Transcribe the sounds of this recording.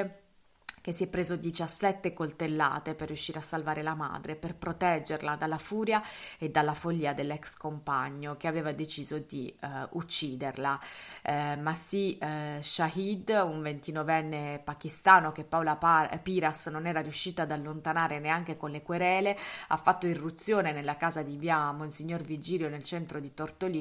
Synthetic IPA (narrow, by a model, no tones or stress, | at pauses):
k̟esːiɛpːɾeːzod̪it͡ʃasːɛt̪ːekolt̪elːa̰ːt̪eperːjuʃːiːɾeasːalvaːɾelama̰ːd̪ɾeperpɾot̪ɛd͡ʒːerlad̪alːafuːɾjaed̪ːalːafoʎːiːad̪elːɛkskompa̰ɲːok̟eaveːvad̪et͡ʃiːzod̪iut͡ʃːiːd̪erla | masiʃaɦid̪uɱvent̪inɔvɛnːepakist̪aːnok̟epːaolapiːɾasnonɛːɾaɾjuʃːiːt̪aːd̪alːont̪anaːɾeneaŋk̟ekonlekweɾɛːlea̰fːat̪ːoirːut̪sːjoːnenelːakaːzad̪ivjamoinsiɲːorvid͡ʒiːljonelt͡ʃɛnt̪ɾod̪it̪ort̪oli